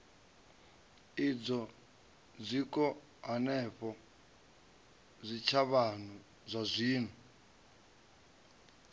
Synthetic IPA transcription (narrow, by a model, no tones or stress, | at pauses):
id͡zɔ | d͡zʷikɔ | ɦanɛɸɔ | zʷit͡ʃʰaβan̤u | zʷazʷiːn̤u